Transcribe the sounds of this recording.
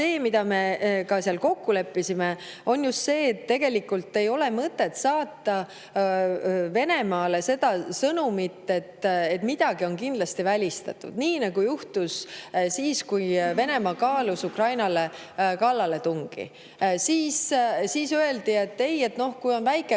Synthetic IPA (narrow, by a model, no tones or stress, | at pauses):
se̞ːmid̪̥ɑme̞kɑseɑlko̞kːule̞pːisime | o̞njust̪se̞ːt̪ːe̞ɡ̥e̞likult̪ːe̞jo̞le̞mɤt̪ːˑe̞t̪sɑːt̪ːɑ | ve̞ne̞mɑːle̞se̞d̪̥ɑsɤnumit̪ːe̞t̪ːe̞t̪ːmid̪̥ɑɡ̥io̞nkind̪lɑst̪ivælʲist̪ɑ̰t̪ːˑṵd̪̥niːnɑɡ̥ujuht̪ussiːskujve̞nemɑkɑːlusukrɑjnɑle̞ | kɑlːɑle̞t̪uŋɡ̥ḭ | siːssiːsøe̞ld̪̥ie̞t̪ːe̞je̞t̪no̞hkujo̞nvæjkːˑe